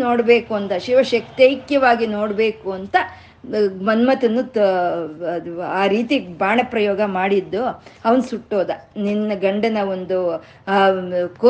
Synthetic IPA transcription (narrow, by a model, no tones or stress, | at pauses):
noːɽbe̞ːkuɐnt̪ɐʃiʋɐʃɐkt̪jɐjkjɐʋaːɡino̞ːɽbe̞ːkuɐnt̪ɐ | mɐnmɐt̪ɐnːu | uaːɾiːt̪ibaːɳɐpɾɐjoːɡɐmaːɽid̪ːuɐʋɐnsuʈːoːd̪ɐninːɐɡɐɳɖɐnɐond̪u | koː